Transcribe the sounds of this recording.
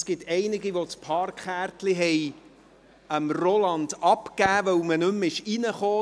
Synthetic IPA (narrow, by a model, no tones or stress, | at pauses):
skɪtɛɪnɪɡiʋot͡spʰɑrkχæːrtliɦɛj | əmrɔlɑndɑpkæːvœwmənɵmɪʃinəχoː